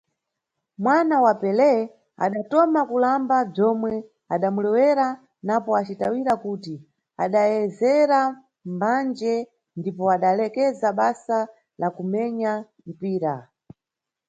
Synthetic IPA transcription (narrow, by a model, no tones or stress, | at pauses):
mwanawapɛlɛ | a̰ɗatɔmakulambab͡ʐɔmwɛ | aɗamulɛwɛɾa | napɔat͡ʃitawiɾakuti | a̰ɗajɛzɛɾa | mband͡ʒɛ | ndipɔaɗalɛkɛzaɓasa | lakumɛɲa | m̩piːɾa